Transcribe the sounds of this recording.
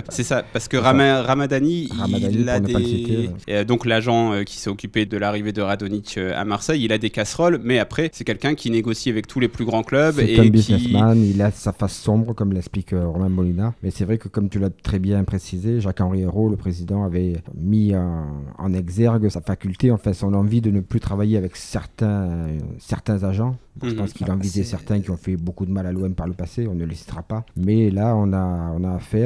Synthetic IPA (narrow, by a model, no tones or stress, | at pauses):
sɛsappaʁsə̥kəʁamaʁamad̪aniʁamad̪aninəpaset̪ed̪ɔ̃klaʒɑ̃økʲi̥sɛɔkʲyped̪əlaʁived̪əʁad̪ɔnit͡ʃøa̰maʁsɛjilad̪ekasχɔlmɛapχɛsɛkʲɛlkʲɛ̃kʲʰineɡɔsiavɛk̚t̪ʰuleplyɡʁɑ̃klœbɛekɔmbiznɛsmanilasafasːɔ̃bʁəkɔmlɛksplikøʁɔmɛ̃bɔlinaʁmɛsɛvʁɛkəkɔmt̪ylat̪χɛbjɛ̃pχesizeʒakɑ̃ʁieʁoləpχezid̪ɑ̃avɛmiɑɑ̰̃nɛɡzɛʁɡəsafakʲylt̪eɑ̃fɛ̃sɔ̃nɑ̃vid̪ənəplyt̪χavajeavɛksɛʁt̪ɛ̃sɛʁt̪ɛ̃zaʒɑ̃bɔ̃ʒəpɑ̃skilɑ̃vizɛsɛʁt̪ɛ̃kʲiɔ̃fɛbokud̪əmalalwɛnpaʁləpaseɔ̃nəlesi̥t̪ʁapamɛlaɔ̃naɔ̃naːfɛt